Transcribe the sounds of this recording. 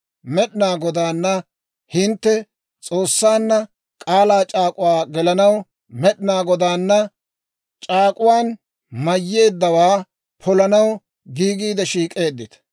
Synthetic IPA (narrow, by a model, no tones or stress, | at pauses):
mɛɗɪnaːɡɔd̪aːnːɐ | hɪnt̪ːɛ | t͡sʼo̞ːsːaːnːɐ | kʼaːlaːt͡ʃʼaːkʼʊwaːɡɛlɐnɐw | mɛɗɪnaːɡɔd̪aːnːɐ | t͡ʃʼaːkʼʊwaːn | mɐjːe̞ːd̪ːɐwaː | pʰɔlɐnɐw | ɡiːɡiːd̪ɛʃiːkʼe̞ːd̪ːɪt̪ɐ̥